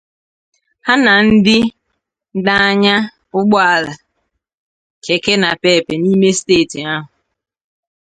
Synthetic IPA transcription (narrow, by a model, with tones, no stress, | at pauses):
ha˦na˨n̩˦dɪ˦ | da˦a˦ɲa˦ | ʊ˦ɡ͡bɔ˦a˨la˨ | ke˨ke˦na˨pe˦˨pe˨ni˦me˦steː˦˨ti˨a˦ɦʊ˨